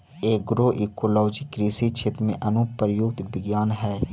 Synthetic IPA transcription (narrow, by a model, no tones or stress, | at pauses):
eːɡɾoːʔikoːlɔːd͡ʒikɾiːsit͡ʃʰɪt̪mḛ̃ʔənupəɾjʊɡt̪bɪɡjaːnɦɛː